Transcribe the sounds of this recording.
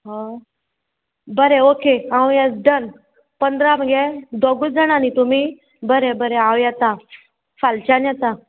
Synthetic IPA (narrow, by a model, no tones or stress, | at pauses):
ɦɔ | bəɾeokeãwjat͡sdən | pənd̪ɾaməɡed̪oɡud͡zəɽ̃anit̪umiː | bəɾebəɾeãwjat̪a | falt͡ɕanjat̪a